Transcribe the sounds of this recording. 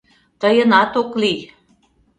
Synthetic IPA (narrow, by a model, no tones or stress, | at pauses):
t̪əjənɑt̪okli